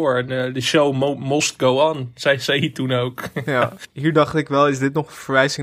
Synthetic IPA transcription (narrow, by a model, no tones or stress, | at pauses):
ɹɛnədəʃowmmɔst̚ɡowansɛjsɛjitunowkjaːɦiːɹdɑχtɪkʋɛlˠɪzdɪtnɔχənvəɹʋɛjzɪŋ